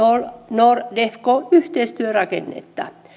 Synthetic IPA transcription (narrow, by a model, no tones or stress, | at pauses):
onordefkoyht̪eist̪yørɑkḛnːḛt̪ːɑ̰